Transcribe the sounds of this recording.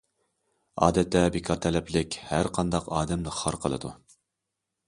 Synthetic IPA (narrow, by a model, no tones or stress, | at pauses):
ɑ̰ːd̪ɛt̪ʰːɛbekʰɑɾt̪ʰɛlɛplɪkʲhæɾqʰɑnd̪ɑqɑːd̪ɛmd̪ɨχɑɾqʰəlˠɨ̰d̪u